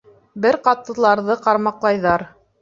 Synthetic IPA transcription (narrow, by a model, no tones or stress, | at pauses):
bɘɾqɑt̪ːɤ̆lˠɑɾðɤqɑɾmɑqlˠɑjðɑɾ